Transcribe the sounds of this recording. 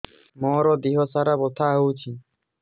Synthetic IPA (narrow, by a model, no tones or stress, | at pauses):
mɔɾɔd̪iɦɔsaɾabɔt̪ʰaɦowt͡ʃʰi